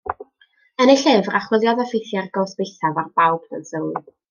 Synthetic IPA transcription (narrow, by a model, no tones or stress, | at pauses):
ənɪɬɨvraχwɪlˠjɔðɛfɪθjarɡoːsb̥ɪθavarbawb̥nə̰nsəw